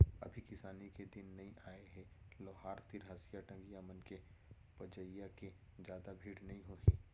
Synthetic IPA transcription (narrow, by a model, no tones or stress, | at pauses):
ɐ̰bʱikɪsaːniked̪ɪnːɐɦĩʔaːeɦɛlɔːɦaːɾt̪ɪɾɦɐsijaʈə̃ŋɡjamənke | pɐd͡ʒəjjaked͡ʒjaːd̪abʱiːɽnɐɦĩɦoːĩː